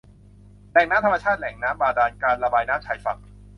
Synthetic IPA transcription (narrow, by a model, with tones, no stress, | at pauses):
lɛː˨˩˦ŋnaː˦˥mt̪ʰa˧ma˧t͡ɕʰaː˥˩t̪̚lɛ˩˦ŋnaː˦˥mbaː˧daː˧nkaː˧nɾa˧baː˧jnaː˦˥mt͡ɕʰa˩˦jfa̰˨˩k̚